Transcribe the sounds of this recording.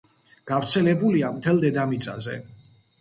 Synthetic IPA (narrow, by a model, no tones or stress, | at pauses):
ɡ̥avɾt̪sʰɛlɛbuliamt̪ʰɛlˠd̪ɛd̪amit̪sʼa̰zɛ̰